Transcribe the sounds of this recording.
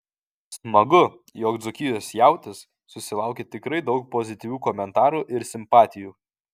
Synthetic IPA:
smɐɡʊ | joːkd̪zʊkʲiːjoːsjæˑʊt̪ʲɪs | sʊsʲɪlˠɑˑʊkʲet̪ʲɪkɾɐɪd̪ɐʊk̚pozʲɪt̪ʲiʋʲuːkɔːmʲɛnt̪ɑːɾuːʔɪɾsʲɪmpɑːt̪ʲɪjuː

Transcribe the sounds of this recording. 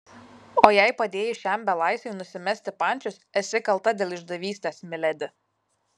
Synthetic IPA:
oːjæɪpɐd̪ʲeːjɪʃʲæˑmʲbʲɛlˠɑˑɪsʲʋʲɛɪnʊsʲɪmʲɛsʲt̪ʲɪpɐˑnʲt͡ʃʲʊsɛsʲɪkɐlˠt̪ɐd̪ʲeːlˠɪʒd̪ɐʋʲiːsʲt̪ʲeːsmʲɪlʲɛd̪ʲɪ

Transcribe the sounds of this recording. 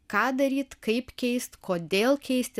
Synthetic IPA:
kɑːd̪ɐɾʲiːt̪kɐɪpkʲɛɪst̪kʰoːd̪ʲeːlˠkʲɛɪsʲt̪ʲ

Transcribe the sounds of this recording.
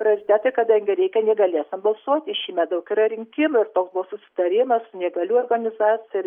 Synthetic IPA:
ɾʲoɾʲɪt̪ʲɛt̪ɐɪkɐd̪ɐŋʲɡʲɪɾʲɛɪkʲɛnʲɛɡɐlʲeːsʲɪmbɐlˠsuɔt̪ʲɪʃʲiːmʲɛtd̪ɐʊkʲɪɾɐɾʲɪŋʲkʲɪmʊɪrt̪oːksbʊʋosʊsʲɪ̥t̪ɐɾʲɪmɐsʊnʲɛɡɐlʲuːoːrɡɐnʲɪzɑːt͡sʲɪ

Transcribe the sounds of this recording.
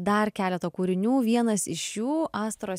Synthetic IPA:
d̪ɐɾkʲæːlʲɛt̪oːkuːɾʲɪnʲuːʋʲiɛnɐsɪʃjuːʔɑːst̪ɾoː

